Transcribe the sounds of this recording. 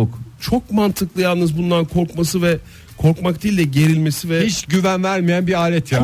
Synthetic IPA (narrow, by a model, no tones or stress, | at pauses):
kt͡ʃʰo̞kmant̪ʰɯklˠɯjalˠnɯzbund̪ankʰo̞ɾkmasɯvɛ | kʰo̞ɾkmak̚d̪iːlʲd̪ɛɟe̞ɾilʲme̞sivɛhit͡ʃɟyvænvæɾmijænbiaːlʲɛt̪ʰja